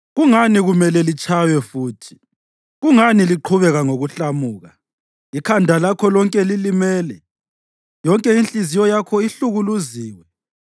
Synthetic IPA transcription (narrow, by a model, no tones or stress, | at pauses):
ɣuŋaniɣumɛlɛlit͡ʃʼajwɛfuːtʰi̥ | ɣuŋaniliǃʰuβɛɣaŋoɣuɬamuːɣa | ikʰandʱalakʰɔlɔŋkʼɛlilimɛːlɛ | jɔŋkʼɛinɬʼizijɔjakʰɔiɬuɣuluziːwɛ